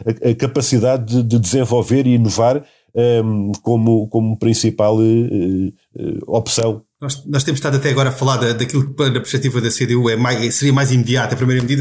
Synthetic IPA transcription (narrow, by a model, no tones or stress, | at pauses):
ɐɐkɐpɐsiðaðːɨd̪ɨd̪ɨzẽvɔlˠveɾiːnuvaɾ | ɛkomukomupɾĩsipalˠɛ | ɛ̰ɔpsɐ̃w̃nɔʃnɔʃt̪emuʃt̪aðɐt̪ɛɐɣɔɾaɐfɐlˠaɾðɐd̪ɐkilˠuk̚pɐɾnɐpɾʃpɛt̪ivɐðɐseðeuɛmajʃɛsɨɾiɐmajzimðiat̪ɐpɾimɐjɾɐmðiðɐ